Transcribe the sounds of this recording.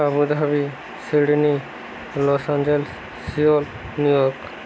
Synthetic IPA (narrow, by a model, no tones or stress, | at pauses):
abud̪ʱabi | siɽni | lɔsand͡ʒelesː | iol | nujɔɾk